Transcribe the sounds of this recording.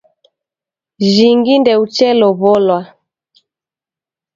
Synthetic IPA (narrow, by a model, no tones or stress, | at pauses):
ʒiŋɡindɛut͡ʃɛlɔβɔlwa